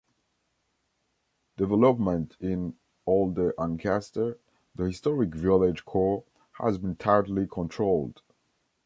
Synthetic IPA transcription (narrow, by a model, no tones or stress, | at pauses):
d̥ɛvɛləpmə̃ntʰɪ̃n | olˠdəʔãnkʰæstə˞ | ðəhɪstɔɹɪkvɪlˠɪd͡ʒkʰɔɹ | hə̰zbɨ̃ntʰaɹdl̩ikʰɔ̃ntʰɹ̥olˠd̥